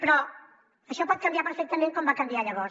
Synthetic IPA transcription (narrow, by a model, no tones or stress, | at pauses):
pɾɔ | əʃɔpɔt̪̚kəmbijapəɾfɛk̚t̪əmẽŋkɔmbakəmbiaʎəβɔɾ